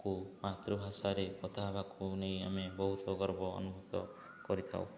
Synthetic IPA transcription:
kumat̪ɾɔbʱasaɾekɔt̪ʰabʱakunejamebɔɦut̪ɔɡɔɾbɔ̰ːnubʱɔt̪ɔ̰ | kɔɾit̪ʰa̰w̰̃

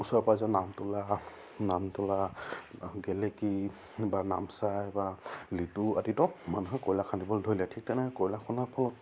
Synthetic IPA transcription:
usɔɹpazɔnamtʊla | namtɔla | ɡɛleki | bana̰msajbalituatitɔmanuɦɛkɔjlakʰandibɔldʱɔjlɛtʰik̚tanɛkɔjlakʰɔnapʰɔlɔt̚

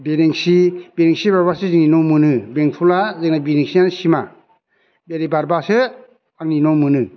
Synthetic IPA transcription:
beɾeŋsibeɾeŋsibaɾbasɯziŋninɔwmɯnɯbeŋpʰulazɯŋnabiɾiŋsiansima̰ | beɾibaɾbasɯ | aŋninɔwmɯnɯ

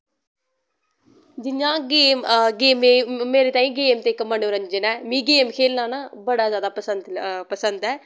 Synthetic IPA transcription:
d͡ʒɪɲãːɡeːmɡeːmeːmeːɾeːt̪aːĩːɡeːmt̪eːkəmənõːɾə̃ɲd͡ʒənɛːmĩːɡeːmkʰeːlnãːnaːbəɽaːzjaːd̪aːpəsənd̪pəsənd̪ɛː

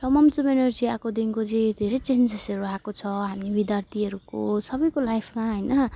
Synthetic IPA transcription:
rʌmʌmt͡sumenʌɾd͡ziakod̪inkod͡zid̪ʱeɾʌjt͡send͡zesʌɾuakot͡sʰʌɦamibid̪jart̪ʰiɦʌɾuko̰sʌbʌjkolajpʰmaɦʌjnʌ

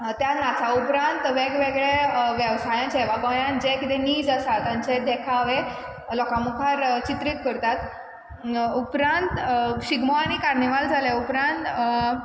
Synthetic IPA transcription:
t̪janat͡saupɾãnt̪ʋeɡʋeɡɭeʋjəʋsajãt͡ɕɛʋaɡɔjãnd͡ʑekit̪eniːd͡zasat̪jãɲt͡ɕed̪ekʰaʋe | lɔkamukʰaɾt͡ɕit̪ɾiːt̪kəɾt̪at̪ | upɾãnt̪ɕiɡmoaɽ̃ikaɾniʋald͡zʱaleupɾãnt̪

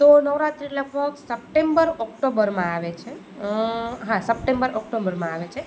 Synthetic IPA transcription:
t̪onəʋɾat̪ɾiləɡ̚bʱəksəp̚ʈembəɾɔk̚ʈobəɾmãaʋet͡ʃʰe | ɦãsəpʈẽmbəɾʔɔkʈobəɾmãaʋet͡ʃʰe

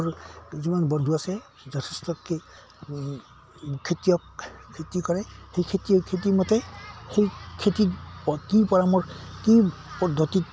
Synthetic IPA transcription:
ɹzimanbɔndʱuasɛ | zɔtʰestɔe | kʰetijɔkkʰetikɔɹɛxejkʰetiɔkʰetimɔtɛxejkʰetiɔkipɔɹamɔɹkipɔd̪ʱːɔtit

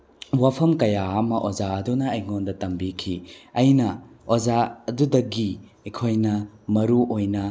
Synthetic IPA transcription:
wapʰɐmkɐjaamɐʔod͡ʒaɐdunɐːjŋondɐtɐmbikʰiɐjnɐ | od͡ʒaɐdudɐɡi | ekʰojnɐmɐɾuʔojnɐ

